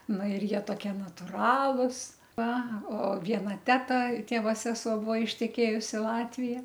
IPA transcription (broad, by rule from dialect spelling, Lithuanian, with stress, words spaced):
ˈnɐ ɪr ˈjiɛ toːˈkʲiɛ nɐtʊˈrɑːlˠʊs ˈʋɐ oː ˈʋʲiɛnɐ ˈtʲæːtɐ ˈtʲeːʋoː ˈsʲæːsuɔ ˈbuɔ ɪʃʲtʲɛˈkʲeːjʊs ɪ ˈlˠɑːtʲʋʲɪjɛ